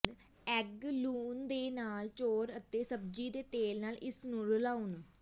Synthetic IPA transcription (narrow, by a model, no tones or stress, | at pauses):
ɛɡluːnd̪eːnaːlt͡ʃoːɾət̪eːsəbd͡ʒiːd̪eːt̪eːlnaːlɪsnũːɾəlaːʊn